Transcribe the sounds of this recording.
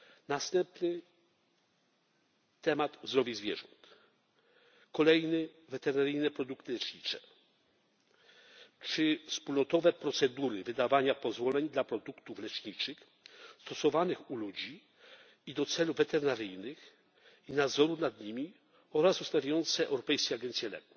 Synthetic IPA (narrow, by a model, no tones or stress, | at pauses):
nast̪ɛmpnɘ | t̪ɛmad̪vzd̪ɾɔvʲizvʲjɛʐɔ̰nt̪ | kɔlɛjnɘ | vɛt̪ɛɾnaɾɘjnɛpɾɔd̪ukt̪ɘlɛt͡ʂɲit͡ʂɛ | t͡ʂɘfspulnɔt̪ɔvɛpɾɔt̪sɛd̪uɾɘvɘd̪avaɲapɔzvɔlɛɲd̪lapɾɔd̪ukt̪uflɛt͡ʂɲit͡ʂɘx | st̪ɔsɔvanɘxulud͡ʑi | id̪ɔt̪sɛluvɛt̪ɛɾnaɾɘjnɘx | inad̪zɔɾunad̪ɲimʲi | ɔɾasust̪avʲajɔnt̪sɛʔɛ̰wɾɔpɛjskʲɛaɡɛnsʲjɛlɛ̰ku̥